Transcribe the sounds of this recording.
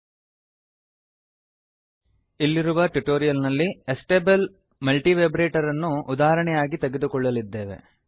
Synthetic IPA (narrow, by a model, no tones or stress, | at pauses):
ilːiɾuʋɐʈuʈoːɾijɐlnɐlːiesʈeːbel | mɐlʈiʋeːbɾeːʈɐɾɐnːuːd̪aːɦɐɾɐɳɛjaːɡit̪eɡed̪ukɔɭːɐlid̪ːeːʋe̞̰